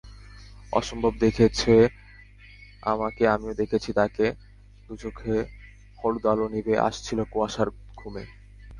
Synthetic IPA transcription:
ɔ̰ʃombʱobd̪ekʰet͡ɕʰe | a̰makeamiod̪ekʰet͡ɕʰit̪ake | d̪̥ut͡ɕokʰːe | holud̪alonibeʔa̰ʃt͡ɕʰilokoaʃaɾ | ɡʱume

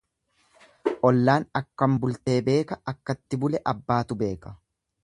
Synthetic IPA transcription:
ʔɔlːaːnɐkːɐmbʊlt̪e̞ːbe̞ːkɐɐkːɐt̪ːɪbʊlɛʔɐbːaːt̪ʊbe̞ːkɐ̥

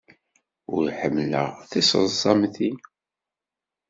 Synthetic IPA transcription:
ʊɾħəmːlə̰ʁθisə̰zˤɑmθi

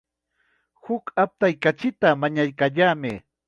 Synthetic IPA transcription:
hʊkap̚t̪ajkat͡ʃɪt̪amaɲajkaʎaːmɪ

